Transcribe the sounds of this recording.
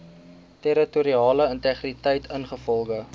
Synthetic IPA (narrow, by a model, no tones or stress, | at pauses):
tɛɾətuɾiɑːləəntɛχritəjtʰənχəfɔlˠχə